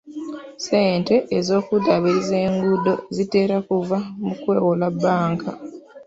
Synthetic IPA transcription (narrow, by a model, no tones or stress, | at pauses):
se̞ːnte̞ʔːzo̞ːkudaβezeːŋɡudo̞zite̞ːɾakuvamukwe̞ːwolabːaːŋka